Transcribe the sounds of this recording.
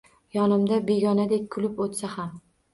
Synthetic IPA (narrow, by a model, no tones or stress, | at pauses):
jɒnɪmd̪abe̞ɡʲɒnad̪e̞kʲkʰʊlɪpot̪saham